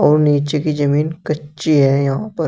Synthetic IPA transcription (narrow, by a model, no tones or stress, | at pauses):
ɔːɾniːt͡ʃekid͡ʒɐmiːnkɐtːt͡ʃiɦɛjɐɦãpɐɾ